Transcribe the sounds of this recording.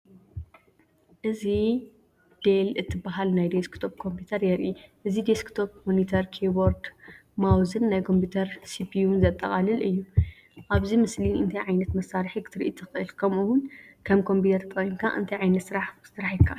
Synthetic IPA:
ʔɨzi | d̪̥elɨt̪ʰːɨbaɦalnajd̪eskt̪ʰop̚kʰo̞mpʰut̪ʰɐɾjɛɾiʔɨzid̪eskt̪ʰop̚monit̪ʰɐɾkʰeboɾd̪ | mawzɨnːajkʰo̞mpʰut̪ʰɐɾsipʰiunzɐt̪ʼːɐ̰χʼalɨlʔɨjːu | ʔaβzimɨsliɨnt̪ʰajʕajnɐt̪mɐsːaɾħikʰɨ̥t̪ʰɨɾiʔit̪ʰɨxʔɨlkʰɐmuwʊnkʰɐmkʰo̞mpit̪ʰɐɾt̪ʰt̪ʰʼojinkʰa̰ʔɨ̰nt̪ʰɐjʕajnɐt̪sɨɾaħsɨɾaħjɪkʰa

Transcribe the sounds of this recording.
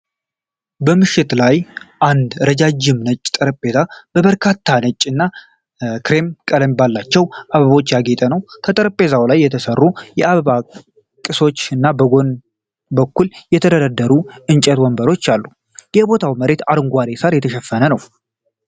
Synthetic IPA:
bəmɨʃːɪt̪lajʔand̪ɾəd͡ʒad͡ʒːɪmnət͡ʃʼːt̪ʼəɾəpʼːe̞t̪ʰab̥əβəɾkʰat̪ʰːanət͡ʃʼːɨnːa | kɾe̞mkʼələmbalːat͡ʃːɛwʔaβəβo̞t͡ʃːjaɡet̪ʼənəwk̪ʰət̪ʼəɾəpʼe̞zawlajːɛt̪ʰəsərːujɛaβəβa | kʼɨso̞t͡ʃːɨnːabəɡo̞n | bəkːuljɛt̪ʰəd̪əd̪əd̪ːəɾuɨnt͡ʃʼɛt̪wɔmbəɾo̞t͡ʃːalːu | jɛbo̞t̪ʰawməɾe̞t̪aɾɨŋɡʷaɾe̞saɾjɛt̪ʰəʃɛfːənənəw

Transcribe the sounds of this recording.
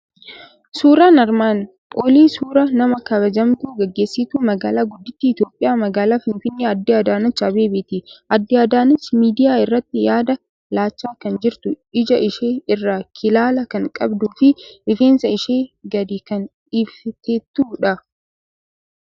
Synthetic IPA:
suːɾaːnɐɾmaːn | pʼoːliːsuːɾɐnɐmɐkɐbɐd͡ʒɐmt̪uːɡɛɡːeːsːɪt̪uːmɐɡaːlaːɡʊd̪ːɪt̪ːiɪt̪jo̞ːpʼːɪjaːmɐɡaːlaːfɪnfɪnːeːɐd̪ːiɐd̪aːnɐt͡ʃːɐbeːbɪt̪ɪʔɐd̪ːɪɐd̪aːnɐt͡ʃːmiːd̪ɪjaːɪrːɐt̪ːɪjaːd̪ɐ | laːt͡ʃːaːkɐnd͡ʒɪɾt̪ʊ | ɪd͡ʒɐʔɪʃeːɪrːaːkʰɪlaːlɐkɐŋkʼɐbd̪uːfɪʔɪfe̞ːnsɐɪʃeːɡɐd̪iːkɐn | iːbft̪ɛt̪ːuːᶑɐ

